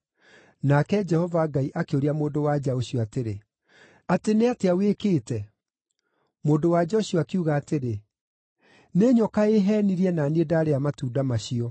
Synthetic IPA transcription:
nakɛd͡ʒɛhɔvaɡaiʔakeoɾiamoːndowad͡ʒaoɕiɔateɾe | ateneateawekeːtɛ | moːndowad͡ʒɔɕɔakiuɣaːteɾe | neɲɔkaeɦɛːniɾiɛnanedaːɾeamatuːdamaɕiɔ

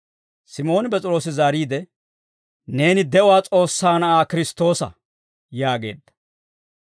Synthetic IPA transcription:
sɪmo̞ːnɪbɛt͡sʼɪɾo̞ːsɪzaːɾiːd̪ɛ | ne̞ːnɪd̪ɛʔʊwaːt͡sʼo̞ːsːaːnɐʔaːkɪɾɪst̪o̞ːsɐ̰ | jaːɡe̞̰ːd̪ːɐ̥

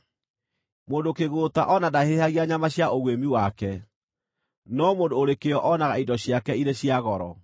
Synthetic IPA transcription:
moːndokeɣota̰ʔɔnadahehaɣiaɲamaɕjaoɣwemiwakɛ | nɔmoːndoːɾekeɔʔɔnaɣaidɔɕjakɛiɾeɕiaɣɔɾɔ̰

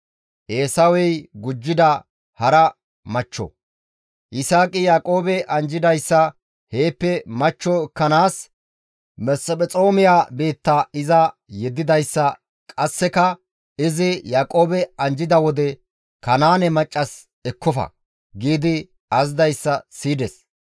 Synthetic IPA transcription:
ʔeːsɐwɛjɡʊd͡ʒːɪd̪ɐ | hɐɾɐ | mɐt͡ʃːɔ̰ | ʔɪsaːkʼɪjaːkʼoːbɛʔɐnd͡ʒɪd̪ɐjsːɐ | he̞ːpːɛmɐt͡ʃːɔkːɐnaːs | mɛsɔpʼɛt͡sʼo̞ːmɪjaːbe̞ːt̪ːɐɪzɐjɛd̪ːɪd̪ɐjsːɐ | kʼɐsːɛkɐ | ɪzɪjaːkʼo̞ːbɛɐnd͡ʒɪd̪ɐwɔd̪ɛ | kɐnaːnɛmɐt͡ʃʼːɐs | ɛkːɔfɐ̰ | ɡiːd̪ɪ | ɐzd̪ɐjsːɐsiːd̪ɛs

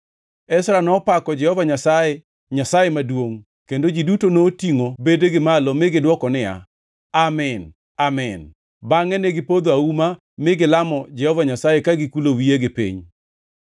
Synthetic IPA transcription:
ɛsɾanɔpakɔd͡ʒɛhɔvaɲasaje | ɲasajemadwoŋ | kendod͡ʒidutonoːtiŋobedeɡɪmalɔmɪɡɪdwɔkɔnɪja̰ | amɪn | amɪn | baŋɛneɡɪpod̪oauma | mɪɡɪlamɔd͡ʒɛhɔvaɲasajekaɡɪkulowieɡɪpḭɲ

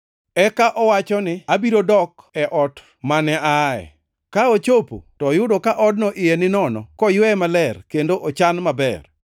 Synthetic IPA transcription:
ɛkaʔɔwat͡ʃɔnɪabiɾodɔk | ɛʔɔt | manɛʔaɛ̰ | kaot͡ʃopo̰tɔjʊdokaʔɔd̚nɔʔɪjɛnɪnɔnɔ̰kɔjwɛmalɛrkendoʔot͡ʃanmabɛ̰r

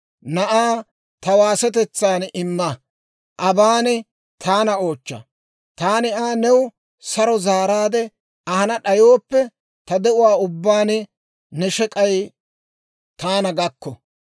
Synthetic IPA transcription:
nɐʔaː | t̪ɐwaːsɛt̪̬ɛt͡sːaːnɪmːɐ | ʔɐbaːnɪ | t̪ʰaːnɐo̞ːt͡ʃːɐ̰ | t̪aːnɪaːnɛwʊ | sɐɾɔzaːɾaːd̪ɛ | ɐhɐnɐɗɐjoːpːɛ | t̪ɐd̪ɛʊwaːʊbːaːnɪ | nɛʃɛkʼɐj | t̪aːnɐɡɐkːɔ

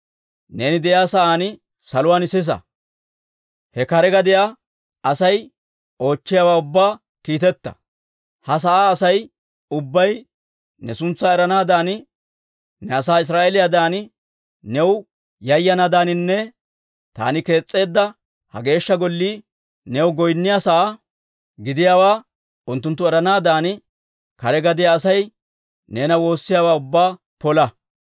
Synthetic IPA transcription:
ne̞ːnɪd̪ɛʔjaːsɐʔaːnɪ | sɐlʊwaːnɪsɪs̬ɐ̰ | hɛkɐɾɛɡɐd̪ɪjaː | ɐsɐj | o̞ːt͡ʃːɪjawaːʊbːaː | kiːt̪ɛt̪ːɐ̥̰ | hɐs̬ɐʔaːsɐj | ʊbːɐj | nɛsʊnt͡sːaːɛɾɐnaːd̪aːn | nɛɐsaːɪs̬ɾaːʔelɪjad̪aːnɪ | nɛw | jɐjːɐnad̪aːnɪnːɛ | t̪a̰ːnɪke̞ːt͡sʼːe̞ːd̪ːɐ | hɐ̰ɡe̞ːʃːɐɡɔlːiː | nɛwɡɔjnːɪjasɐʔaː | ɡɪd̪ɪjaːwaː | ʔʊnt̪ːʊnt̪ːʊɛɾɐnaːd̪aːn | kɐɾɛɡɐd̪ɪjaːsɐj | ne̞ːnɐwo̞ːsːɪjaːwaːʊbːaː | pɔlɐ

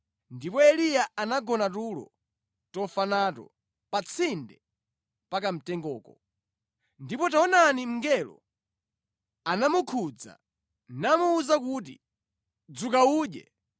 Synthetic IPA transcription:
ndipɔɛlijaanaɡɔnatulɔ̰ | tɔfanatɔ̰ | pat͡sʰindɛ | pakam̩tɛŋɡɔːkɔ | ndipɔtaɔnanim̩ŋɡɛlɔ̰ | anamukʰud͡za̰ | namuːzak̬ut̬ḭ | d͡zukauːɗɛ̰

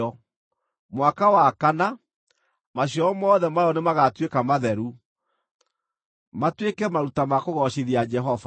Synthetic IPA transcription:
ɔ | mwakawakana | maɕ̬jɔmɔːðɛmaɔnemaɣatwekamaðɛɾu | matwekɛmaɾutamakoɣɔɕeðiad͡ʒɛɦɔva

